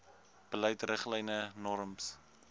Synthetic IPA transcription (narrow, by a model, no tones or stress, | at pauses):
b̥ələjtrəχlɛjnənɔɾəms